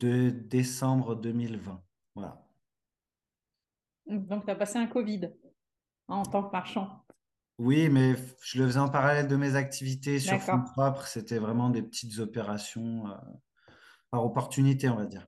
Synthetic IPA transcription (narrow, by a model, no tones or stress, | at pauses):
d̪̥əd̪esɑ̃bʁəd̪əmilvɛ̃ | vwa̰la̰ | d̪ɔ̃k̚t̪yapaseɛ̃kɔvid̪ | ɑ̃t̪ɑ̃kmaʁʃɑ̃ | wimɛʒ̥ələfəzɛɑ̃paʁalɛld̪əmezak̚t̪ʰivit̪esyaʁfɔ̃pχɔpχset̪ɛvʁɛmɑ̃d̪epət̪ʰi̥t̪zɔpeʁasjɔ̃ø̰ | paʁɔpɔʁt̪ynit̪eɔ̃vad̪iːʁ